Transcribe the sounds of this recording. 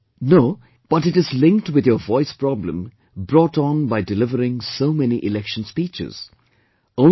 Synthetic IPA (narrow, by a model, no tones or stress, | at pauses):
noʊ | b̥ʌtɨʈɨzlɪ̃ŋk̚twɨd̪jəvɔɪspɹɑblə̰̃m | bɹɔtnbaɪdɪlɪvəɾɪ̃ŋsoʊmɛniʔɪlɛkʃə̃n̩spit͡ʃɪ̰z̥ | õʊ̃